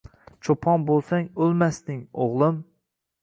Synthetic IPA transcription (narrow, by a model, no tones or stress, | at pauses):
t͡ʃʰopʰɒnbolˠsaŋolˠmasnɪŋoʁlˠɪm